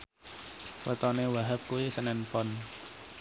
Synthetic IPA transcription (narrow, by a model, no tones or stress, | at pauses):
wʔə̰t̪ɔnewaɦap̚kuwisənɛnpɔn